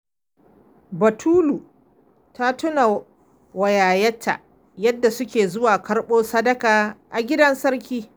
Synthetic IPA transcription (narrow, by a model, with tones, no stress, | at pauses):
bɐ˨tʰuː˦lu˨ | ta˦tʊ˦na˨ | wɐ˨jaː˨jɐ˦tʰːa̰˨ | jɐ˦dːa˨sʊ˦kʲeː˨zʊ˦waː˨kɐ˦ɽɓoː˦sɐ˦dɐ˦kaː˨ʔa˨ɡʲɪ˦dɐ˦nsɐ˦rkʲiː˦